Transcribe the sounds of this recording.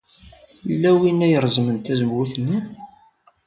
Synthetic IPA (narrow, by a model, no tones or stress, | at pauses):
lːæwinæjəɾˤzmənt̪æzəmwuθnːi